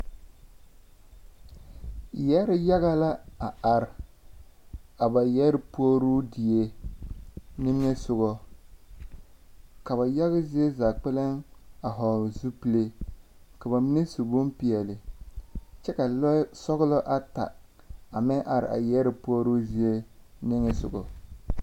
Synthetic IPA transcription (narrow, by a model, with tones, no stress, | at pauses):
jɛ˦ɾɪ˦ja˦ɣa˦la˦a˨a˨ɾɪ˨ | a˨ba˨jɛ˦ɾɪ˦pu˦ɔ˦ɾu˦di˨e˦ | nɪ˦m˦ɲɛ˦sʊ˦ɣɔ˦ | ka˨ba˨ja˦ɣɪ˦zi˦e˦za˨k͡pɛ˦le˦ŋa˨ɦɔ˨zu˦pi˦le˦ka˨ba˨mi˦ne˦su˨bo˦mpi˨ɛ˨lɪ˨ | t͡ʃɛ˦ka˨lɔ˦sɔ˦ɣʊ˦lɔ˦ʔa˦ta̰˨ | a˨mɪ˦ʔa˨ɾɪ̰˨a̰˨jɛ˦ɾɪ˨pu˦o˦ɾu˦zi˦e˦ | nɪ˦ŋe˦sʊ̰˨ɡɔ̰˨